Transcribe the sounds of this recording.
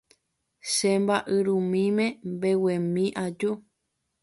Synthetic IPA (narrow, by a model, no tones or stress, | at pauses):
ʃembaʔɨɾũmĩmẽmbe̞wẽmĩʔad͡ʒu